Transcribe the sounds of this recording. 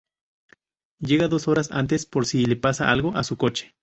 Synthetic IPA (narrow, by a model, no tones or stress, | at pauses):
jeɣaðosoɾasa̰nt̪̬espoɾsilepasaʔa̰lɣoʔasukot͡ʃi̥